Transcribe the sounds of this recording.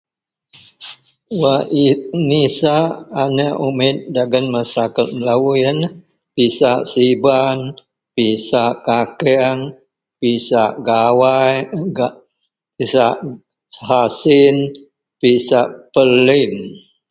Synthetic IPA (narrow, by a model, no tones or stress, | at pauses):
wainisaʔːnəʔumɪt̪̚daɡənməsakət̪̚məlawujən | pisaʔsiban | pisaʔkakɛaŋ | pisaʔɡawajɡa | isaʔ | hasɪn | pisaʔpəlɪn